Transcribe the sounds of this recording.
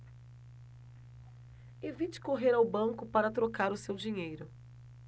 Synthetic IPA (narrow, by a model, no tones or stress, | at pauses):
evit͡ʃɪ̥koɦeɾawbɐ̃ŋkʊpaɾɐt̪ɾokaɾʊsewd͡ʒiɲejɾʊ